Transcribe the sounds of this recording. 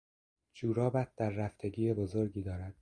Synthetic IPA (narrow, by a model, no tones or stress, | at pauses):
d͡ʒuːɾɒːbæt̪̚d̪æɾːæft̪ʰe̞ɟiːjebozo̞ɾɟiːd̪ɒːɾæd̪̥̚